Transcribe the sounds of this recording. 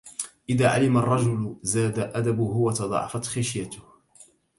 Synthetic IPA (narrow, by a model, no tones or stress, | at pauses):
ʔɪðaːʕa̰lɪmarˤːɑd͡ʒʊlzaːd̪aʔad̪abʊhʊwat̪ɑd̪ˤɑ̰ʕɑ̰fat̪xaʃjat̪ʊh